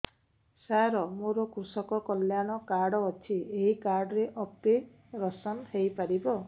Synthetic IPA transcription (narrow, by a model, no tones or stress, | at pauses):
saɾɔmoɾɔkɾusɔkɔkɔljaɽ̃ɔkaɾɽɔːt͡ʃʰieɦikaɾɖɔɾeʔɔp̚t̪e | ɾɔsɔnhejpaɾibɔ